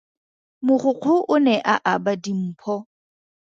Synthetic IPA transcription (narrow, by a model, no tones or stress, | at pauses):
mʊχʊq͡χʰʊʔʊnɛʔaʔabadim̩ːpʰɔ